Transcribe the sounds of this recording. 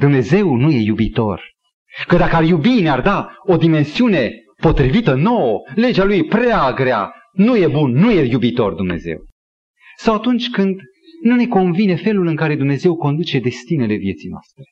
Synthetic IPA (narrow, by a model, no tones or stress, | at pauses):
d̪umne̞ze̞wnuje̞jubit̪o̞̰r | kəd̪akəarjubineard̪ao̞d̪ime̞nsiune̞ | po̞t̪ɾivit̪əno̞wəle̞d͡ʒealujpɾeaɡɾea̰ | nuje̞bunːuje̞jubit̪o̞̰rd̪umne̞̰ze̞̰w | sawat̪unt͡ʃʲkɨnd̪ | nune̞ko̞nvine̞fe̞lulɨŋkaɾe̞d̪umne̞ze̞wko̞nd̪ut͡ʃe̞d̪e̞st̪ine̞le̞vje̞t̪sijnoa̰st̪ɾe